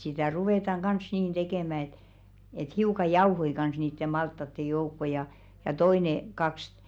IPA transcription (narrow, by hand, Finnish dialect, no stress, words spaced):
sitæˑ ruʋeˑtɑŋ ɡ̊ɑns niːn d̥ekeˑmæ et et hiukɑ jɑuhoi kɑns niːtːe mɑltːɑtːe joukːo jɑ jɑ toine kɑks